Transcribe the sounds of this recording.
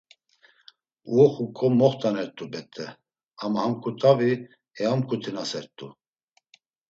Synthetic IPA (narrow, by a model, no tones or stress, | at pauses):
uχukʼɔmɔχt̪ʼanɛɾt̪ʼubɛt̪ʼɛ | amhamkʰʼut̪ʼavi | ɛamkʰʼut̪ʰinasɛɾt̪ʼṵ